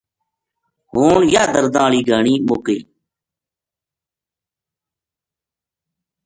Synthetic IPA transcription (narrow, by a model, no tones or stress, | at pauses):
ɦoːɳjaːd̪əɾd̪ãːɭiːɡʱaːɳiːmoːkḛː